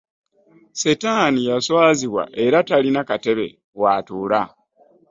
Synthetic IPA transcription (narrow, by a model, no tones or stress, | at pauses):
setaːnijaswaːziβwa̰ʔe̞ɾatalinakate̞βe̞̰ | waːtuːla